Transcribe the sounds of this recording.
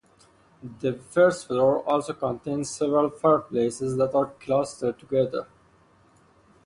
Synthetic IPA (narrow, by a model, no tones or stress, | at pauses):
d̪əfəɾsʈfɾoːɾɔːlsoːkə̃nʈẽːnzsɛʋɾəlfapleːsɪzd̪æʈaɾklaːsʈəɖ̚ʈuɡɛd̪əɾ